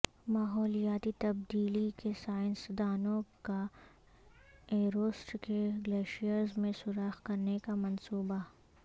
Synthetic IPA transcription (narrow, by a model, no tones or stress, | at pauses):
maːɦɔːlijaːt̪it̪ɐb̚d̪iːlikesaːɪnsd̪aːnõka | eːɾoːsʈkeɡleːʃijəɾzmẽsʊɾaːxkɐɾnekamɐnsuːba